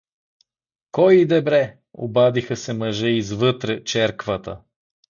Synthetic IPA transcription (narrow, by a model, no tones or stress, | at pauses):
kɔjid̪ɛbɾɛ | o̰bad̪ixəsɛmɐʒɛizvɤt̪ɾɛt͡ʃɛɾkvət̪ə̰